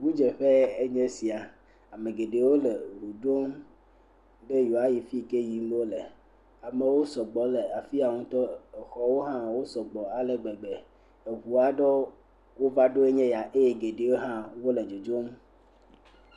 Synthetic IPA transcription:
ɡu˦d͡ʒe˨ɸe˦e˦ɲɛ̃˦si˨a˨ | a˨me˨ɡe˨ɖe˨wo˦le˨ɦu˨ɖo˦m | ɖe˦jo˨a˦ji˨fi˦˨ke˦ji˦m˦wo˦le˨ | a˨me˨wo˦sɔ˨ɡ͡bɔ˨le˨a˨fi˦a˨ŋũ˦t̪ɔ˦ɛ˨xɔ˦wo˦ɦã˦wo˦sɔ˨ɡ͡bɔ˨a˨le˨ɡ͡be˨ɡ͡be˨ | e˨βu˨a˨ɖɔ˦ | wo˦va˦ɖo˦e˦ɲɛ̃˦ja˨ʔe˦je˦ɡe˨ɖe˨wo˦ɦã˦wo˦le˨d͡ʒo˨d͡ʒo˦m

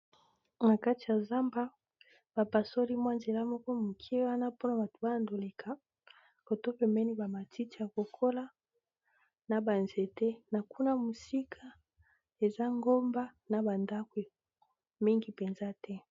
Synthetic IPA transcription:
na˨ka˦ti˨ja˨za˦mba˦ | b̥a˨pa˨so˦li˦mwa˦nze˨la˦mɔ˦kɔ˦mu˨kʰi˦e˦wa˦na˦po˦na˨ba˨to̥˨ba˦na˨ndo˨le˨kʰa˨ | ko˨to˦pe˨mɛ˦ni˦ba˨ma˨tʰi˦ti˨ja˨ko˨kʰo˦la˦ | na˨ba˨nze˨tɛ˦na˨ku˦na˦mu˨si˦kʰa˦ | e˨za˦ŋɡo˦mba˦na˨ba˨nda˦kwe˨ | mi˦ŋɡi˨pe˨nza˦tʰɛ˦

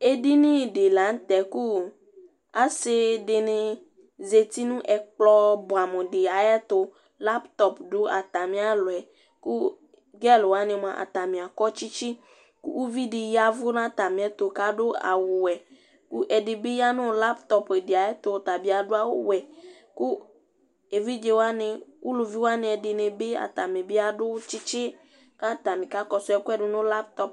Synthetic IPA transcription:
e˦di˦nĩ˦˨ɖe˨la˨˦n̩˦t̪ɛ˨ku˦ | a˦se˦de˨nẽ˨ | ze˨t̪i˦nũ˦ʔɛ˨k͡plɔ˦bo˨a˨mɔ̃˨ɖe˨a˨jɛ˦t̪o˦ | la˦pt̪ɔ˦pɖo˦ʔa˨t̪a˨mĩ˦a˦lo˨ɛ˨ | ku˦ | ɡɛ˦lwa˦nẽ˨m˦ã˨ʔa̰˨t̪a˨mĩ˨a˨kɔ˦t͡ʃi˦t͡ʃi˦ | kṵ˦ʔu˦vi˦dɪ˨ja˨vʊ˦nã˦t̪a˨mɪ̃˨ɛ˦t̪ʊ˨ka˦dʊ˦a̰˨wʊ˨wɛ˨ | ku˦ʔɛ˨dɪ˨bɪ˦ja˦nʊ̃˦˨la˦pt̪ɔ˨pe˨dɪ˨a˨ɛ˦t̪ʊ˨t̪a˨bi˨˦a˨dʊ˦a˦wʊ˦wɛ˨ | kʊ˦ | e˨vi˦d͡ʒe˦wa˦nɪ̃˨wʊ˦lʊ˨vi˦wa˦nɪ̃˨˦ɛ˨dɪ˨nẽ˨be˦a̰˨t̪a˨mɪ̃˨bɪ˦a˦dʊ˦t͡ʃɪ˦t͡ʃɪ˦ | ka˦˨t̪a˨mɪ̃˨ka˦kɔ˦sʊ˦ɛ˨kʊ˦ɛ˨dʊ˦nʊ̃˦la˦p̚t̪ɔ˦p

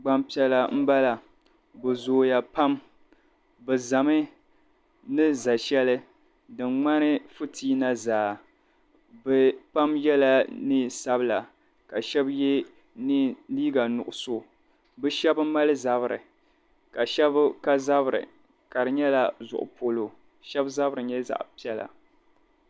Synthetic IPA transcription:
ɡ͡ba˦mpi˦ɛ˨la˨m̩˦ba˦la˨ | bɨ˨zoː˨ja˨pa˦m | bɛ˨za˨mɨ˦ | nɨ˦za˨ʃɛ˦lɨ˦ | dɨ˨mŋ͡ma˦nɨ˦fʊ˦tʰiː˦na˦zaː˨ | bɛ˨pa˦mjɛ˦la˦nɨ˦sa˦bɨ˦la˨ | ka˨ʃɛ˦bjɛ˦ | ni˦liː˦ɡa˨nʊ˨ʔʊ˨so˦ | bɨ˦ʃɛ˦bɨ˦ma˦lɨ˦za˦bɨ˨ɾɨ̰˨ | ka˨ʃɛ˦bka˦za˦bɨ˨ɾɨ̰˨ | ka˨ɾɨ˨ɲɛ˦la˨zʊ̰˨ʔʊ̰˨po˨lo˨ | ʃɛ˦bza˦bɨ˦ɾɨ˨ɲɛ˦za̰˨ʔpi˦ɛ˦la̰˨

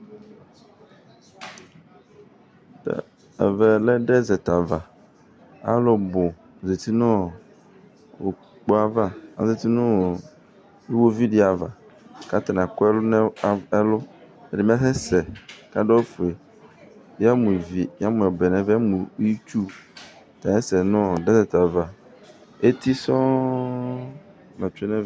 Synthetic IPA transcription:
tɛ̰˨ | ɛ̰˨vɛ˨lɛ˦ɖɛ˦zɛ˨t̪a˨va˨ | a̰˦lʊ˦bʊ˨ | ze˨t̪ʰi˦nʊ̃˦ | o̰˨ | k͡pɔ˦a˦va˦a̰˨ze˨t̪i˦nʊ̃˦ | du˦wo˦vi˦dɪ˦a˨va˨ka˦t̪a˨nã˨kʊ˦ɛ˦n˦˨ɛ˦lʊ˦ɛ˨dɪ˨m̃˦ã˦fɛ˦sɛ˨ka˦dɔ˦fʊ˨e˨˦ | a˦mũ˨vi˨ja˦mʊ̃˨ɛ˨bɛ˨nɛ̃˦va˦mũ˨˦i˦t͡ʃu˦˨ | t̪ã˨ɛ˦sɛ˨nʊ̃˦˨dɛ˦sɛ˨ta˨va˨ | e˦t̪ʰi˦sɔ̃˦ | mã˨t͡ʃᶣɪ˦nɛ̃˦

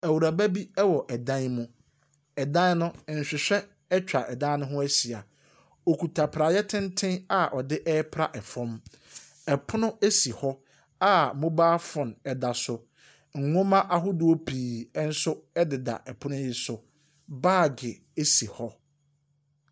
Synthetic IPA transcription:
æ˨wu˨ɾa˨bæ˦bi˦ɛ˦wɔ˨ʔɛ˨dã˦nmũ˦ | ɛ˨dã˦n˦nʊ̃˦˨n̩˨ɕᶣɪ˨ɕᶣɛ˦ | ɛ˦t͡ɕᶣa˨ʔɛ˨dã˦nʊ̃˦ɦʊ̃˦æ˦si˨a˨ | ɔ˨kʰu˨tʰa˨pʰɾa˨jɛ˦tʰɪ̃˦ntʰɪ̃˦na˦ʔɔ˨dɪ˦ʔɛ˦pʰɾa̰˦ʔɛ˨fɔ̃˦m | ɛ˨pʰʊ˦nʊ̃˦e˦si˨hɔ˦ | a˦mʊ̃˦baː˦fʊ̃˨nɛ˨da˨sʊ˨ | ŋ̩˨ŋʊ̃˦mã˦ʔa˨ɦʊ˦dʊ˨o˦pʰiː˨ɛ˦n̩˦sʊ˦ɛ˦dɪ˨da̰˨ʔɛ˨pʰʊ˦nʊ̃˦jɪ˦sʊ˨ | baː˦˨ɡɪ˨ | e˦si˨hɔ˦

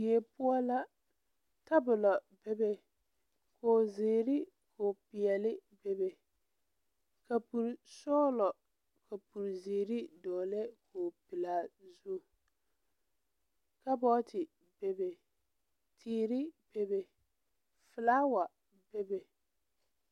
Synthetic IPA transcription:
e˨pʊ˦ɔ˦la˦ | ta˦bʊ˨lɔ˨ | be˦be˦ | kʰoː˨zeː˨ɾɪ˦ | kʰoː˨pɪ˨ɛ˨lɪ˦be˦be˨ | ka˨pu˨ɾsɔː˦lɔ˨ | kʰa˨pu˨ɾzeː˨ɾi˦dɔː˨lɛ˦kʰoː˨pɪ˨la˨zu˦˨ | ka˦bɔ˦tʰɪ˨ | be˦be˨ | tʰiː˨ɾɪ˦b̥e˦be˨ | fɪ˨laː˦wa˨ | be˦be˨

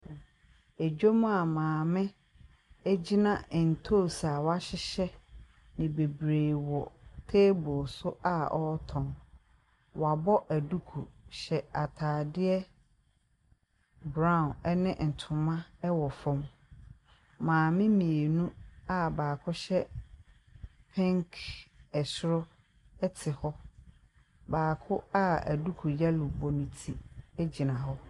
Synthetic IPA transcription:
e˨d͡ʑᶣo˦mũ˦a˨mãː˨mɪ̃˦ | æ˦d͡ʑi˦nã˦˨n̩˨tʰo˦˨sa˨wa˦ɕɪ˦ɕɛ˦ | nɪ̃˨be˨bɾeː˨wɔ˨tʰe˦bʊ˨sʊ˦ʔa˦ɔ˦tʰɔ̃˨n | wa˨bɔ˦ʔæ˨du˦kʰu˨ɕɛ˨a˨tʰaː˨dɪ˦ɛ˦ | bɾã˦˨nɛ˦nɪ̃˦n̩˨tʰʊ̃˨mã˦ɛ˦wɔ˨fʊ̃˦m | mãː˨mɪ̃˦mĩ˨e˨nũ˦a˦baː˨kʰʊ˦ɕɛ˦ | pʰɛ̃˦ŋkʰɛ˨sʊ˦ɾʊ˦ | ɛ˦tʰɪ˨hɔ˦ | baː˨kʰʊ˦a˦æ̰˨du˦kʰu˨ja˦lʊ˨bɔ˨nũ˨tʰi˨ɛ˦d͡ʑi˨nã˨ɦɔ˦

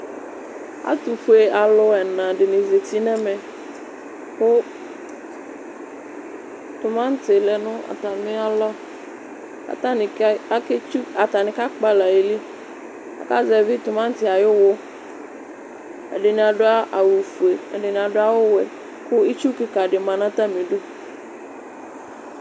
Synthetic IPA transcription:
a̰˦t̪u˨fu˨˦e˨a˨lʊ˦ɛ˨nã˨dɪ˨nɪ̃˨ze˨t̪i˦nɛ̃˦mɛ˨ | kʊ˦ | t̪ʊ˨mã˦n˦tɪ˨lɛ˨nʊ̃˦a̰˨t̪a˨mɪ̃˦a˦lɔ˦ | a̰˨ta˦nɪ˨˦a˨ke˦t͡ʃu˦a˨t̪a˨nɪ̃˨ka˦k͡pa˦la˨e˨li˦ | a̰˨ka˦zɛ˨vi˦t̪ʊ˨mã˦n̩˦t̪ɪ˦a˨jo˦wo˦ | a̰˨ɖe˨nĩ˨a˨ɖʊ˦a˦ʔa˨wu˨fu˨e˨ḛ˨ɖe˨nĩ˨a˨ɖʊ˦a˦wo˦wɛ˨ | kʊ˦i˦t͡ʃu˦ki˦ka˨ɖɪ˨mã˨nã˦t̪a˦mĩ˨ɖu˦

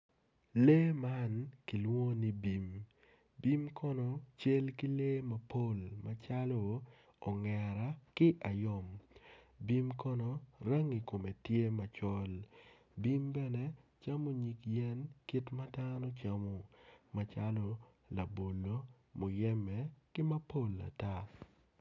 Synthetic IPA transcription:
leː˦ma˦nki˨lwo˦ni˦bi˨m | bi˦mkʰɔ˦nɔ˨t͡ʃe˦lki˦le˦mɐ˨po˦˨lma˨t͡ʃa˦lɔ˨ | ɔ˨ŋɛ˨ɾa˦kɪ˦ʔa˨jɔ˨m | bi˦mkɔ˦nɔ˨ɾa˦ŋi˨ko˨me˨tje˦ma˨t͡ʃɔ˦l | bi˦mbɛ˦nɛ˦t͡ʃa˦mo˨ɲi˨kjɛ˦nki˦tma˦da˦nɔ˦t͡ʃa˦mo˨ma˨t͡ʃa˦lɔ˦ | la˨bo˨lo˦ | mo˨jɛ˦mɛ˨kɪ˦mɐ˦po˦˨la̰˨ta˦

